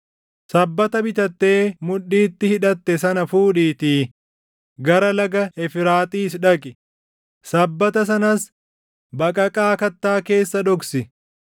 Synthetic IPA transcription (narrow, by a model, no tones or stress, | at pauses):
sɐbːɐt̪ɐbɪt̪ɐt̪ːe̞ːmʊᶑːiːt̪ːɪhɪᶑɐt̪ːɛsɐnɐfuːᶑiːt̪iː | ɡɐɾɐlɐɡɐɛfɪɾaːt̪ʼiːsᶑɐkʼɪ | sɐbːɐt̪ɐs̬ɐnɐs | bɐkʼɐkʼaːkɐt̪ːaːke̞ːsːɐd̪ɔksɪ